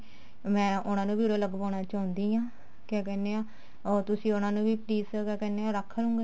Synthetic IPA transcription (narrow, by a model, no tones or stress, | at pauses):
mɛ̃ːʔʊnãːnũːbiːɾeːləɡpaːnaːt͡ʃaːʊnd̪iːãː | kaːk̬ɛːneːaː | ɔːɾt̪ʊsĩːʊnãːnũːbiːpliːskɛːkɛːneːaːɾəkʰːəlũːŋɡeː